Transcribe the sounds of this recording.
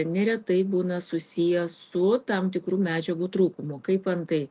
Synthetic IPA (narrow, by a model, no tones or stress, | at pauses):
nʲɛɾʲɛt̪ɐɪbuːnɐsʊsʲiːjɛsʊt̪ɐmt̪ʲɪkɾuːmʲæːd͡ʒʲɛɡuːt̪ɾuːkʊmʊkɐɪpɐnt̪ɐɪ